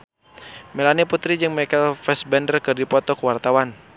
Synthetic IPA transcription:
mɛlaniput̪ɾid͡ʒɨŋmakɛlfɛsbɛndərkɨrdipɔt̪ɔkwart̪awan

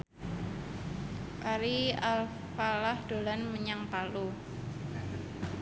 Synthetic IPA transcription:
kaɾial | falahd̪̥o̤lanməɲaŋpalu

